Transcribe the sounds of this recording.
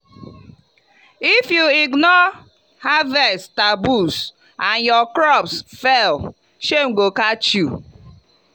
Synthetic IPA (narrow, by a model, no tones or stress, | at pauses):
ifjuiɡnɔ | havɛstabus | anjɔkɾɔpsfɛl | ʃeŋ̩ɡokat͡ʃju